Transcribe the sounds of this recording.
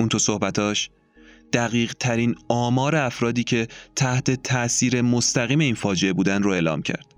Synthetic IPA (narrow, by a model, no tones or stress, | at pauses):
unt̪oso̞hbæt̪ʰɒːʃ | d̪̥æɣiːɢt̪ʰæɾiːnɒːmɒːɾe̞æfɾɒːd̪iːcʰe̞t̪ʰæht̪ʰe̞t̪ʰæʔsiːɾe̞most̪ʰæɣiːme̞iːnfɒːd͡ʒe̞ebuːd̪ænd̪ɾoeːlɒ̰ːmcʰæ̰ɾd̪̥